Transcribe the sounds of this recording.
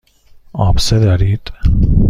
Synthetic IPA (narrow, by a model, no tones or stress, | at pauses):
ɒːbsed̪æɾiːd̪̥